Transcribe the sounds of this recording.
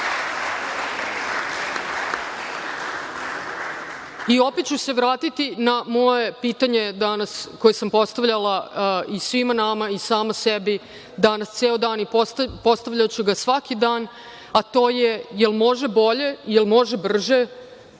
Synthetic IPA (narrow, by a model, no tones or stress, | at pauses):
io̞pet̪t͡ɕuse̞ʋɾaːt̪it̪inamo̞je̞piːt̪aɲe̞d̪anasko̞jesampo̞st̪aʋʎalaisʋimanamaisaːmasebi | d̪anast̪seːod̪aːnippo̞st̪aʋʎat͡ɕuɡasʋakid̪aːn | at̪o̞ːjejelmo̞ʒe̞bo̞ʎe̞jelmo̞ʒebr̩ʒe